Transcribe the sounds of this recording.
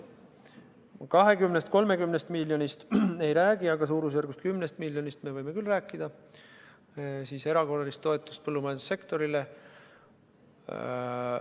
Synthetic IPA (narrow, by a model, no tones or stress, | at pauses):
kɑɦe̞kymnest̪̚ko̞lme̞kymnest̪milʲːjo̞nist̪e̞jɾæːɡ̥iɑɡɑsuːɾus̬jærɡust̪̚kymnest̪̚milʲːjo̞nist̪me̞vɤjme̞kylːræːkːˑid̪̥ɑ | siːse̞ɾɑko̞rɑlist̪ːo̞et̪ːˑu̥st̪̚pɤlːumɑjɑnd̪usːe̞kt̪o̞ɾile